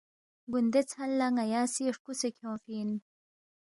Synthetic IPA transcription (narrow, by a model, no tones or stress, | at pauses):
ɡund̪et͡sʰhɐlːaŋɐjaːsieʂkusekʰõːfin